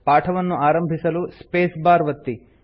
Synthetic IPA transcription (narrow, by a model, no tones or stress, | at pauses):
paːʈʰɐʋɐnːuʔaːɾɐmbʱisɐluspeːsbaːɾʋɐt̪ːi